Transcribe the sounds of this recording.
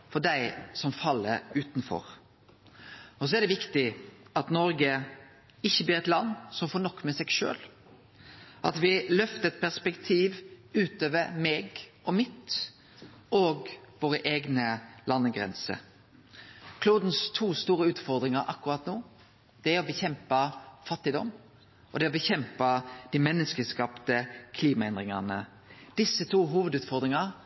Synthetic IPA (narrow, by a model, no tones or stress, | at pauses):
fɔɖæɪsɔmfɑlːə̰ɾʉːt̪nfɔ̰ɾ | ɔs̬ɔæɾd̪ɛʋɪkt̪ɪɑt̪nɔɾɡə | ɪçːəbliːɾɛt̪lɑnːsɔmfoːnɔkːmɛsɛɡʃø̰ːl | ʔɑt̪ʋɪlœft̪əɛt̪̚pʰæspɛkt̪ʰiːʋʉːt̪øːʋəɾmɛɡ | ɔmɪt̪ | ʔoːɡʋoːɾəʔeːɡnəlɑnːəɡɾɛ̰nsə̰ | kʰluːd̪n̩st̪ʰuːst̪uːɾəʉːt̪fɔʁd̪ɾɪŋɑɾʔɑkːʉɾɑt̪nuː | d̪̥ɛæɾɔbəçɛmpɑfɑt̪ːɪd̪ɔm | ɔd̪ɛɔbəçɛmpɑd̪̥iːmɛnːəskəskɑpt̪əkʰliːmɑɛnd̪ʁɪŋɑ̰nə | d̪ɪsːət̪ʰuːɦuːʋəd̪ʉːt̪fɔʁd̪ɾɪŋɑɾ